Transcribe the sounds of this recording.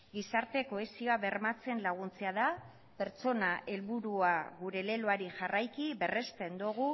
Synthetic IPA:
ɡisaɾt̪e̞ko̞esio̞aβe̞rmat͡se̞nlaɣ̞unt͡seaða | pe̞ɾt͡so̞naʔe̞lβuɾuaɣuɾe̞le̞loaɾiʝarajkibe̞re̞st̪e̞nd̪uɣ̞u

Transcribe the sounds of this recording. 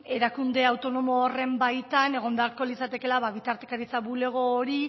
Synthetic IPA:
e̞ɾakund̪e̞awt̪o̞no̞moːre̞mbajt̪ane̞ɣ̞o̞nd̪aɾko̞lisat̪e̞ke̞laβaβit̪aɾt̪e̞̥kaɾit͡saβule̞ɣ̞o̞ːɾi

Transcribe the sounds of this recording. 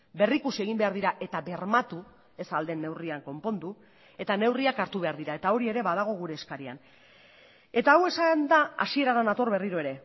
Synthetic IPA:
be̞rikusieɣ̞imbeaɾðiɾaʔe̞t̪aβe̞ɾmat̪u | e̞sald̪e̞nːe̞wriaŋko̞mpo̞nd̪u | e̞t̪ane̞wriakaɾt̪uβe̞aɾðiɾae̞t̪ao̞ɾie̞ɾe̞βað̞aɣ̞o̞ɣ̞uɾe̞ːskaɾia̰n | e̞t̪aːwe̞sand̪aa̰sie̞ɾaðanat̪o̞rβe̞riɾo̞e̞ɾe̞

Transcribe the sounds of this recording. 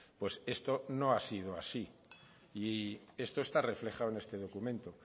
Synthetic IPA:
pwe̞se̞st̪o̞no̞asið̞oasi | iest̪oe̞st̪are̞fle̞χawene̞st̪e̞ð̞o̞kumẽ̞nt̪o

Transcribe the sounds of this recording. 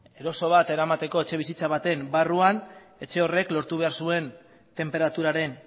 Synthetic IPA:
e̞ɾo̞so̞β̞at̪e̞ɾamat̪e̞ko̞e̞t͡ʃe̞βisit͡saβ̞at̪e̞mbaruan | e̞t͡ʃe̞o̞re̞klo̞ɾt̪uβ̞e̞aɾsue̞n | t̪e̞mpe̞ɾat̪uɾaɾe̞n

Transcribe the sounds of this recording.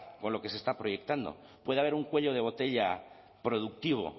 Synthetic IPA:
ko̞nlo̞ke̞se̞st̪apɾo̞ʝe̞k̚t̪and̪o̞̰pwe̞ðaβe̞ɾuŋkwe̞ʎo̞ðe̞β̞o̞t̪e̞ʎa | pɾo̞ðuk̚t̪iβ̞o̞̰

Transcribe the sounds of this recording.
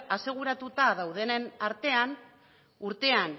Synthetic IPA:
ase̞ɣ̞uɾat̪ut̪aðawð̞e̞nenaɾt̪e̞an | uɾt̪e̞an

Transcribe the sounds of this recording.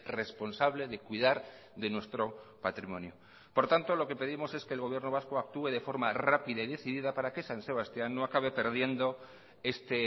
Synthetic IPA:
re̞spo̞nsaβle̞ðe̞kwiðaɾ | ðe̞nwe̞st̪ɾo̞pat̪ɾimõ̞njo | po̞ɾt̪ant̪o̞lo̞ke̞pe̞ðimo̞se̞ske̞ːlɣ̞o̞β̞je̞ɾno̞β̞askoak̚t̪ue̞ðe̞fo̞ɾmarapiðaiðe̞θiðiðapaɾake̞sanse̞β̞ast̪janːo̞akaβe̞pe̞ɾð̞je̞nd̪o̞ | e̞st̪e

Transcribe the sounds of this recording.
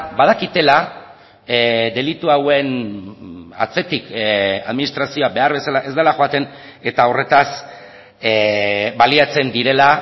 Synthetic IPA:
bað̞akit̪e̞la | d̪e̞lit̪uawe̞n | a̰t͡se̞t̪ika̰ðminist̪ɾasio̞abe̞aɾβe̞salaʔe̞zd̪elaxo̞at̪e̞n | e̞t̪aore̞t̪as | baliat͡se̞nd̪iɾe̞la

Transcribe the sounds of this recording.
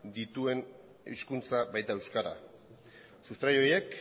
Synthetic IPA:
d̪it̪ue̞n | iskunt͡saβajt̪ae̞wskaɾa̰ | sust̪ɾajo̞je̞k

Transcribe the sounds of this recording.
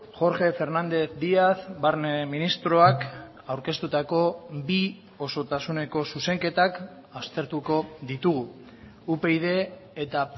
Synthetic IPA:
xo̞ɾʝe̞fe̞ɾnand̪e̞θd̪iaθbaɾneminist̪ɾo̞ak | awɾke̞st̪ut̪ako̞bi | o̞so̞t̪asune̞ko̞suse̞ŋke̞t̪ak | ast̪e̞ɾt̪uko̞ðit̪uɣu | upe̞ið̞e̞ːt̪a

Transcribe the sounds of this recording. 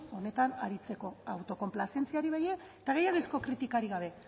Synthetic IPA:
o̞ne̞t̪anaɾit͡se̞ko̞awt̪o̞ko̞mplase̞nt͡siaɾiβeje | t̪aɣe̞jaɣisko̞kɾit̪ikaɾiɣaβ̞e̞

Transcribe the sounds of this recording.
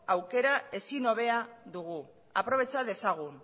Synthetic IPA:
awke̞ɾae̞sino̞βe̞aðuɣu | a̰pɾo̞β̞e̞t͡saðe̞saɣ̞un

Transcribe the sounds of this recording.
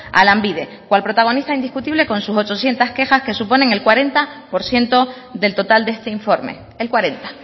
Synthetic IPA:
a̰lambiðe̞ | kwalpɾo̞t̪aɣ̞o̞nist̪aind̪ihkut̪iβle̞ko̞nsuso̞t͡ʃo̞sje̞nt̪aske̞xaske̞supo̞nẽ̞ŋe̞lkwaɾe̞nt̪apo̞ɾsje̞nt̪o̞ | d̪e̞lt̪o̞t̪ald̪e̞st̪e̞iɱfo̞ɾmḛ | elkwaɾe̞nt̪ḁ

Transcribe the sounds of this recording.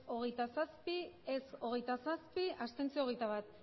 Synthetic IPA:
o̞ɣ̞e̞jt̪asaspieso̞ɣ̞e̞jt̪asaspiast̪e̞nt͡sioɣejt̪aβat̪

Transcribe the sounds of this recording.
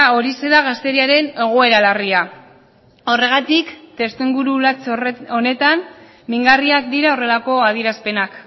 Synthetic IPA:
o̞ɾiseðaɣast̪e̞ɾiaɾe̞ne̞ɣ̞o̞e̞ɾalaria | o̞re̞ɣat̪ikt̪e̞st̪iŋɡuɾut͡so̞ne̞t̪an | miŋɡariak̚d̪iɾao̞re̞lako̞aðiɾaspe̞nak

